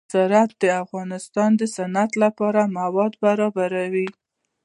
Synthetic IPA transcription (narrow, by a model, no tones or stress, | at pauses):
aɾat̪̚d̪əafɣɑnɪst̪ɑnd̪əsanat̪lapɑɾamawɑd̪baɾɑbaɾawi